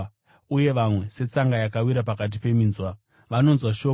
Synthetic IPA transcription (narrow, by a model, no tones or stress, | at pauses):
uje̞ʋamwe̞se̞t͡saŋɡajakawiɾap̬akat̬ipe̞minzwa | ʋano̞nzwaʃo